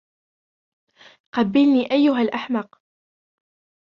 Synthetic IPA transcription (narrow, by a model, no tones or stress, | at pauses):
qɑbːɪlniːʔajːʊɦalʔaħmɑq